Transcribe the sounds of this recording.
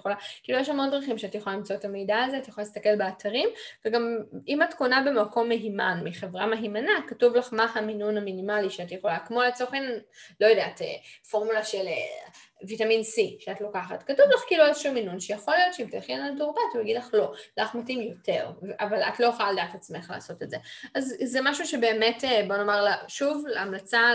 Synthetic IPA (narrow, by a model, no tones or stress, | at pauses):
xolakiːlujeʃhamo̞ndʁiχimʃeatjexolalimt͡soetamejdaːzeatjχoalist̪ɐke̞lbeatʰaʁimveɡamimatko̞nabe̞mako̞mːeɦimanmiχevʁameɦimanakatuvlaχmahaminunaminimaliʃeatjeχo̞lakmo̞let͡soχenlo̞jodeatḛfo̞ʁmulaʃele | vitaminsiʃeatlo̞kaχa̰tkatuvlaχkiloezʃuminunʃejaχo̞lijo̞t̪ʃeimteaχienaltoʁbatujaɡidlaχlo̞laχmatimjo̞te̞ʁvʔavala̰tlo̞joχolaledaːtat͡sme̞χla̰ːso̞tetzeʔazzemaʃuʃebe̞ːme̞tebo̞nomaʁlaʃuvleamlat͡sa